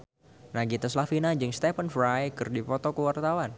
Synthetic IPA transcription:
naɡit̪əslafinad͡ʒɨŋst̪ɛpənfɾajkɨrdipɔt̪ɔkəwart̪awan

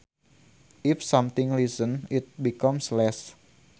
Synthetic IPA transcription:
ʔifsɔmt̪ɪ̃ŋlisənit̪̚bikɔmslɛs

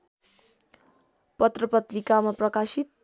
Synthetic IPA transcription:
pʌt̪rʌpʌt̪rikamaprʌkasit̪̚

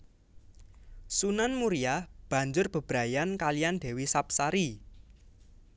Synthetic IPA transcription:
sunanmuɾijab̥ä̤ɲd͡ʒʊrb̥ə̤b̥ɾa̤jankalijanɖ̪̥e̤wisap̚saɾi

